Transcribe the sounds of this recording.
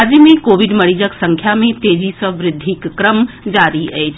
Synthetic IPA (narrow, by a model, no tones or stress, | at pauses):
d͡ʒəmẽkoːʋiɖməɽid͡ʒəksə̃ŋkʰjamẽt̪eːd͡ʒisə̃ʋɾɪd̪ʱːikːɾəm | d͡ʒaːɾiɛjt͡ʃʰ